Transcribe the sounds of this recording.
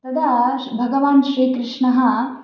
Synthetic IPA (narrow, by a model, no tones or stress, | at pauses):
t̪ɐd̪ɐbʱɐɡɐʋaːnʃɾiːkɾɪʂɳɐɦɐ